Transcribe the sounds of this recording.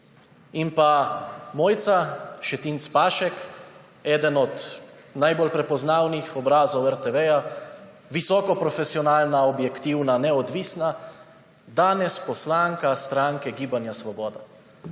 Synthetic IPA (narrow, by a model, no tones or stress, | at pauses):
inpamɔːjt̪saʃɛt̪iːnt̪spaːʃɛk | ɛːd̪ənɔt̪ | najbolpɾɛpɔznaːwnixɔbɾaːzɔwɛɾt̪ɛʋɛja | ʋisɔːkɔpɾɔfesiɔnaːlnaɔbjɛkt̪iwnanɛɔd̪ʋiːsna | d̪aːnɛspɔslaːŋkast̪ɾaːŋkɛɡiːbanjasʋɔbɔːd̪a